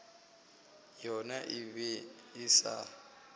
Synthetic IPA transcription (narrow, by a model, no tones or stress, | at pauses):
jɔnaʔiβɛisa̰